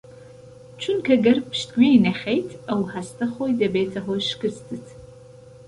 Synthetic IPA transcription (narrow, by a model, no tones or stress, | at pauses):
t͡ʃʷʰʊnkʰɐɡɐrpʰʃtʰɡʷiinɐχʲejtʰɐwħastʰɐχʷoidɐbeːt͡sʰɐχʷɔʃkɨstʰɨtʰ